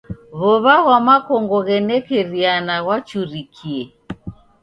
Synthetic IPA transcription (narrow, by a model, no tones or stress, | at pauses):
βɔβaɣwamakɔŋɡɔɣɛnɛkɛɾianaɣwat͡ʃuɾikʰiɛ